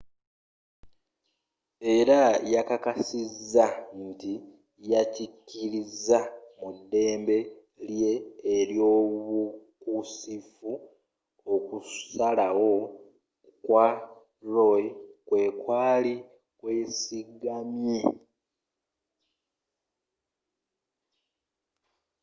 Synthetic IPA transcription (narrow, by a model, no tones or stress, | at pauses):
e̞ɾajakakasizːanti | jacicːiɾizːamudːe̞ːmbe̞ | lje̞ːɾjo̞ːβukusifu | okusalawo̞ | kwa | ɾo̞jkwe̞ːkwaːli | kwe̞ːsiɡamje̞